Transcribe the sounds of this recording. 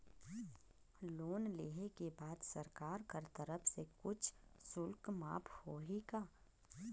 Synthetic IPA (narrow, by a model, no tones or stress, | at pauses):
loːnleːɦekebaːd̪səɾkaːɾkəɾt̪əɾəpʰsekʊt͡ʃʰsʊlkma̰ːpʰhoːɦikaː